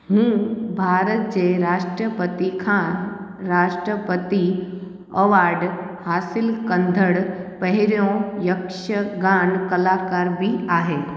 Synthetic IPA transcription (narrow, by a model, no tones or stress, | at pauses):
ɦũːbʱaːɾət̪̚d͡ʑeːɾaːʃʈɾəpət̪ikʰãːɾaːʃʈɾəpət̪i | ɐʋaːɖhaːsɪlkɐ̃nd̪ʱəɽpɐɦɪɾjõjɐkʃəɡãːnkɐlaːkaːɾbʱiaːɦeː